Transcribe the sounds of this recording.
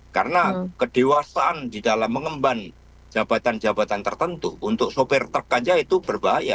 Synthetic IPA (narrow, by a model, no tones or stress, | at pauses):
kaɾənakəd̥ewasaʔandidalamːəŋəmban | d͡ʒabat̪and͡ʒabat̪ant̪ərt̪ənt̪ṵunt̪ʊk̚sopɪrt̪ərkad͡ʒait̪ub̥ərbaɦaja̰